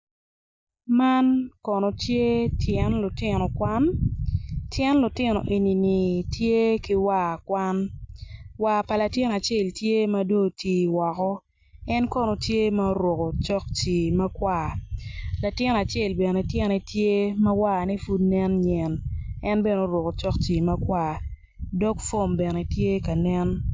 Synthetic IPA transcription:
ma˦nkɔ˨no˨tje˦tʰjɛ˦nlʊ˨tɪ˦nɔ˨kwa˦n | tjɛ˦nlʊ˨tɪ˦nɔ̰˨ʔe˨ni˨ni˨tje˦kɪ˦wa˦˨kwa˦n | wa˨pa˨la˨tɪ˦n˨a˨t͡ʃe˦˨ltje˦mɐ˦do˦˨tʰiː˨wɔ˨kɔ˦ | ɛ˦nkɔ˦no˨tje˦ma˦ɾwo˨ko˨t͡ʃɔ˦kt͡ʃi˨mɐ˦kwa˨ | la˨tɪ˦n˨a˨t͡ʃe˦˨lbɛ˨ne˨tjɛ˦nɛ˨tje˦mɐ˦wa˦˨nɛ˦fu˦dnɛ˦nɲɛ˨nɛ˦nbɛ˦no˨˦ɾo˨ko˨t͡ʃɔ˦k̚t͡ʃi˨mɐ˦kwa˨ | dɔ˦kfo˦˨mbɛ˨ne˨tje˦ka˨nɛ˦n

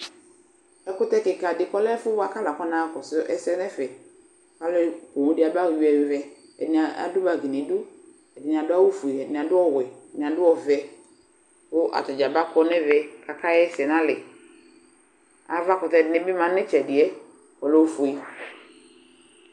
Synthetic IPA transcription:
ɛ˨kʊ˦tɛ˦kɪ˨ka˨dɪ˨kɔ˦lɛ˦fʊ˦wa˦ka˦la˨kɔ˦nã˨˦˨kɔ˨sʊ˦ʔɛ˦sɛ˦nɛ˦fɛ˨ | ka˦lɛ˦po˨wõ˨˦di˦a˨ba˦˨ju˨˦ɛ˨vɛ˨ | ɛ̰˨nɪ̃˨a˨a̰˨dʊ˦ba˨ɡi˨nɪ̃˨˦dʊ˦ | ɛ˨dɪ˨n˨a˨dʊ˦a˦wu˦fo˨i˨ɛ˨dɪ˨n˨a˨dʊ˦ɔ˦wɛ˨nɪ̃˨a˨dʊ˦ɔ˦vɛ˨ | kʊ˦ʔa̰˨tʊ˨d͡ʒa˨ba˦kɔ˦nɛ̃˦vɛ˨ka˨ka˦jɛ˦sɛ˨nã˦lɪ˨ | a˨va˦kʊ˨tɛ˨dɪ˨nɪ̃˦bɪ˦mã˨nɪ̃˦t͡ʃɛ˨dɪ˨ɛ˦ | kɔ˨lɛ˦u˦˨fo˨i˨

